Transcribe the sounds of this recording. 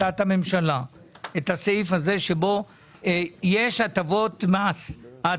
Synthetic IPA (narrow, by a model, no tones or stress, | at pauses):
at̪hame̞mʃala | et̪aseifhaze̞ʃebo̞ | jeʃat̪avo̞t̪masa